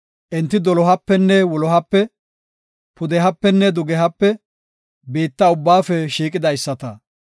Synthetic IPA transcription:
ʔɪnt̪ːɪd̪ɔlɔɦɐpːɛnːɛwɔlɔɦɐpːɛ | pʊd̪ɛɦɐpːɛnːɛd̪ʊɡɛɦɐpːɛ | beːt̪ːɐʊbːaːfɛʃiːkʼɪd̪ɐjsːɐt̪ɐ̰

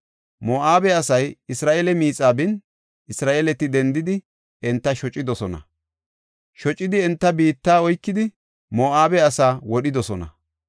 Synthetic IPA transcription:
moːʔaːbɛɐsɐjɪsɾaːʔelɛmiːt͡sʼːaːbɪn | ɪsɾaːʔelɛt̪ːɪd̪ɛnd̪ɪd̪ɪ | ɛnt̪ːɐʃɔt͡ʃʼːɪd̪ɔsɔnɐ̰ | ʃɔt͡ʃʼːɪd̪ɪɛnt̪ːɐbiːt̪ːaːɔjkːɪd̪ɪ | moːʔaːbɛɐsaːwɔɗɪd̪ɔsɔnɐ̰

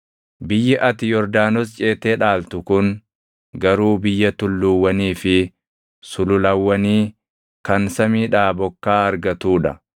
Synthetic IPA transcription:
bɪjːɪʔɐt̪ɪjɔɾd̪aːnɔs̬t͡ʃʼe̞ːt̪eːᶑaːlt̪ʊkʊn | ɡɐɾuːbɪjːɐt̪ʊlːuwːɐniːfɪ | sʊlʊlɐwːɐniː | kɐnsɐmiːᶑaːbɔkːaːɐɾɡɐt̪uːᶑɐ

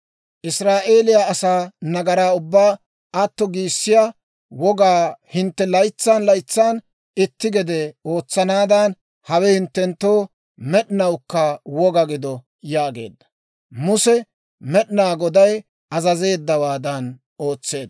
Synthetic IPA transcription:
ʔɪsɾaːʔe̞ːlɪjaɐsaːnɐɡɐɾaːʊbːaː | ʔɐt̪ːɔɡiːsːɪja | wɔɡaːhɪnt̪ːɛlɐjt͡sːanlɐjt͡sːaːn | ɪt̪ːɪɡɛd̪ɛo̞ːt͡sːɐnaːd̪ɐn | hɐwɛhɪnt̪ːɛnt̪ːoː | mɛɗɪnɐwkːɐwɔɡɐɡɪd̪ɔ | jaːɡḛːd̪ːɐ̥ | mʊsɛ | mɛɗnaːɡɔd̪ɐj | ɐzɐze̞ːd̪ːɐwaːd̪ɐn | o̞ːt͡sːe̞ːd̪

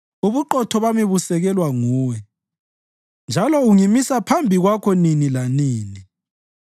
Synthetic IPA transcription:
uβuǃɔtʰɔβamiβusɛɣɛlwaŋuːwɛ | nd͡ʒʱalɔuŋimisapʰambʱiɣwakʰɔninilaniːni

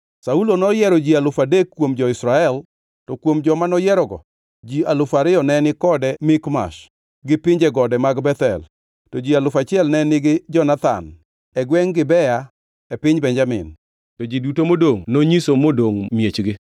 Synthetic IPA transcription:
saulonɔjɛɾɔd͡ʒialʊfadekːwomd͡ʒɔɪsɾaɛl | tɔkwomd͡ʒɔmanɔjɛɾɔɡɔ̰ | d͡ʒialʊfaɾɪɔnɛnɪkɔdɛmɪkma̰ʃ | ɡɪpɪɲd͡ʒɛɡɔdɛmaɡbɛt̪ɛ̰l | tɔd͡ʒialʊfat͡ʃɪɛlnɛnɪɡɪd͡ʒɔnat̪a̰n | ɛɡwɛŋɡɪbɛja | ɛpɪɲbɛnd͡ʒamɪ̰n | tɔd͡ʒidutomodoŋnoɲisomodoŋmjet͡ʃɡɪ

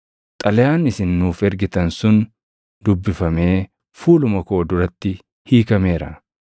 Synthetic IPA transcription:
t̪ʼɐlɛjaːnɪsɪnːuːfɛɾɡɪt̪ɐnsʊn | d̪ʊbːɪfɐme̞ː | fuːlʊmɐko̞ːd̪ʊɾɐt̪ːɪ | hiːkɐme̞ːɾɐ̰

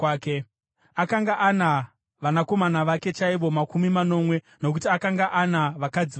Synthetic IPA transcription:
ke | akaŋɡaʔana | ʋanako̞manaʋake̞t͡ʃaiʋo̞makumimano̞mwe̞ | no̞k̬utiakaŋɡaʔanaʋakad͡zi

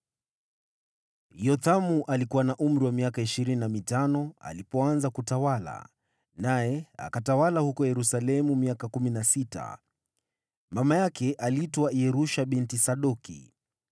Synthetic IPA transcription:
jɔtamuʔalikuwanaʔum̩ɾiwamiakaiʃiɾininamitanɔa̰lipɔanzakutawala̰ | najɛa̰katawalahukɔjɛɾusalɛmumiakakuminasita̰ | mamajakɛʔalitɔwaiɛɾuʃaɓintisaɗɔkḭ

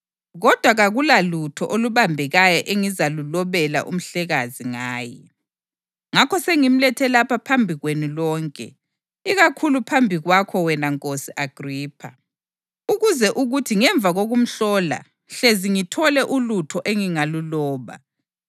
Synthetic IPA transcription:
ɣɔd̥ʱwaɣaɣulalutʰɔʔoluβambʱɛɣajɔʔeŋizalulɔβɛla̰ʔṵm̩ɬɛɣaziŋaːjɛ | ŋakʰɔseŋim̩lɛtʰɛlapʰapʰambʱiɣwenulɔːŋkʼɛ̰ | iɣakʰulupʰambʱiɣwakʰɔwɛnaŋkʼosiʔaɡ̥riːpʰa̰ | uɣuzɛʔuɣutʰiŋɛɱb̪vʱaɣoɣum̩ɬɔːla̰ | ɬeziŋitʰɔlɛʔulutʰɔʔeŋiŋalulɔːβa̰

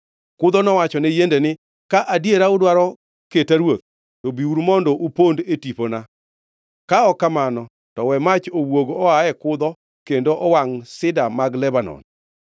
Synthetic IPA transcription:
kʊd̪ɔnɔwat͡ʃɔnɛjendenɪ | kaʔadjeɾaʊdwaɾɔ | ketaɾwot̪̚ | tobiuɾmɔndoʔupondetipona | kaɔkamanɔ | tɔwɛmat͡ʃowoɡɔaɛkʊd̪ɔ | kendoʔɔwaŋsɪdamaɡlɛbanɔ̰n

